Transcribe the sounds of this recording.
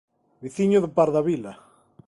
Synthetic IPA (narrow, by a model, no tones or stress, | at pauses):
biθiɲoðepaɾðaβila